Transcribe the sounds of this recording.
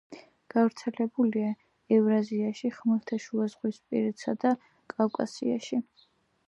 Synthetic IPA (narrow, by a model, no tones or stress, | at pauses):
ɡ̥avɾt̪sʰɛlɛbulia | ɛvɾaziaʃiχmɛɾt̪ʰaʃuazʁwispʼḭɾɛt̪sad̪a | kʼawkʼa̰sḭa̰ʃi